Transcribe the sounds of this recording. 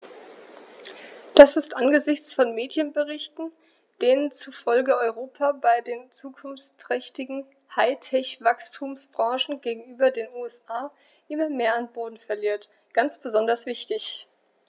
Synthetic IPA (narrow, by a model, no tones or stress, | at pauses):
d̥asɪstʔanɡəzɪçt͡sfɔnmeːdjənbəʁɪçtn̩ | d̥eːnənt͡suɐfɔlɡəʔɔʏʁoːpʰabaɪdeːnt͡suːkʰʊnft͡stʁ̥ɛçtɪɡŋ̩ | haɪtʰɛçv̥akstʰuːmsb̥ʁɑ̃ŋʃn̩ɡeːɡŋ̩yːbɐdeːnuːɛsʔaː | ʔɪmɐmeːɐanboːdn̩fɛɐliːɐt | ɡ̥ant͡sb̥əzɔndɐsv̥ɪçtɪç